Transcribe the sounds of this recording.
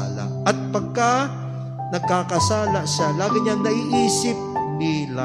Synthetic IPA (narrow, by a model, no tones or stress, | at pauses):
ala̰ | ɐt̪̚pɐɡ̚ka | nɐɡ̚kakɐsaːlaʃalaːɡɪɲaŋnɐʔiːʔiːsɪp̚nila